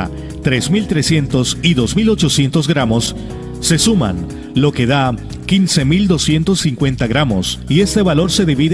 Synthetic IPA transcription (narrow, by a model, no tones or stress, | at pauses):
t̪ɾe̞zmilt̪ɾe̞sje̞nt̪o̞siðo̞zmilo̞t͡ʃo̞sje̞nt̪o̞zɡɾamo̞sː | e̞suma̰n | lo̞ke̞ða | kinse̞mild̪o̞sje̞nt̪osːiŋkwe̞nt̪aɣɾamo̞sie̞st̪e̞βalo̞ɾse̞ðiβið